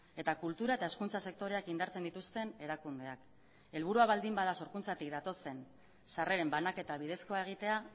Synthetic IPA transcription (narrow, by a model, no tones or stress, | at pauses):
e̞t̪akult̪uɾae̞t̪ae̞skunt͡sase̞k̚t̪o̞ɾe̞akind̪aɾt͡se̞nd̪it̪ust̪e̞ne̞ɾakund̪e̞ak | e̞lβ̞uɾuaβald̪imbaðaso̞ɾkunt͡sat̪ik̚d̪at̪o̞se̞n | sare̞ɾe̞mbanake̞t̪aβ̞iðe̞sko̞ae̞ɣ̞it̪e̞a